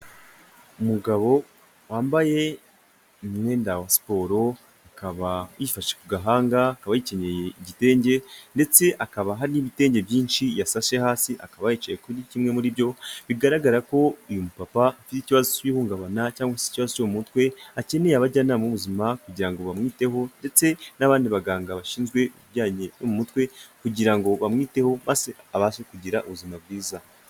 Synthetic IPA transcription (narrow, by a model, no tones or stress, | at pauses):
umuɡaβo̞ | waːmbaje̞ | mŋe̞ːndawasi̥po̞ɾo̞ | akaβajifaʃʃe̥kuɡaɦaːŋɡaːkaβajice̞ɲe̞je̞iɟite̞ːɲɟe̞nde̞t͡se̞ʔakaβaɦaɾiniβite̞ːɲɟe̞bjiːnʃijasaʃehaːsiʔakaβajet͡ʃejekonicimŋe̞muɾibɟo̞βiɡaɾaɡaɾako̞ijumupapaafiticiβazociβihuːŋɡaβanacaːŋɡwasi̥ciβazot͡ʃomumutkwe̞ace̞nejaβaɟanamuβuzimakuɟiɾaŋɡo̞βamŋiːte̞ho̞nde̞t͡se̞naβaːndiβaɡaːŋɡaβaʃiːnzɡwe̞uβiɟaːɲenomumutwe̞kuɟiɾaŋɡo̞βamŋiːte̞ho̞mazeaβasekuɟiɾaʔuβuzimab̚ɡiːza